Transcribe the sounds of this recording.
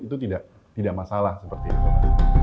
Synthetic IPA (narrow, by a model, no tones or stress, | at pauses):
it̪ut̪idaʔ | t̪idaʔmasalahsəpərt̪it̪u